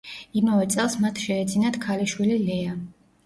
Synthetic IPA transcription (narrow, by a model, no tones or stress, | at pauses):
imavɛt̪sʼɛlˠsmat̪ʰʃɛːd̪zinat̪kʰaliʃwililɛa